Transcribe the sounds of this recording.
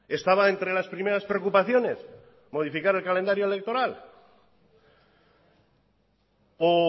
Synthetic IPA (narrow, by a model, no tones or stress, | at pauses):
e̞st̪aβaent̪ɾe̞laspɾime̞ɾaspɾeokupaθjo̞ne̞s | mo̞ð̞ifikaɾe̞lkale̞nd̪aɾjoele̞k̚t̪oɾal | o